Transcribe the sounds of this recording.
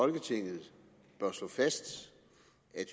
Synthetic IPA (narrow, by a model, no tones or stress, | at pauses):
ɒ̽lɡ̥ət͡sʰe̝ŋ̰ð̩ˠ | b̥ɶɐslɔ̰̽ːfæsd̥ | æd̥